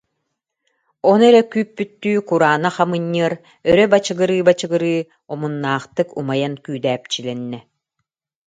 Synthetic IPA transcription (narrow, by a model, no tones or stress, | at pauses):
ɔnɛɾɛkyːpːyt̪ːyːkuɾaːnaχamɯɲːɯɐɾ | œɾœbat͡ɕɯɡɯɾɯːbat͡ɕɯɡɯɾɯː | ɔmunːaːχt̪ɯkumajankyːd̪æːp̚t͡ɕilɛnːɛ